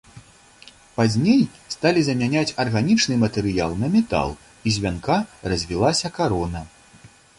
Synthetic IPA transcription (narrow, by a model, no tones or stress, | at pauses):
pazʲnʲejst̪alʲizɐmʲanʲat͡sʲɐrɣanʲit͡ʂnɨmɐt̪ɛɾɨja̰lˠnɐmʲɛt̪a̰lˠ | izʲvʲankarɐzʲvʲilˠasʲɐkaɾɔnɐ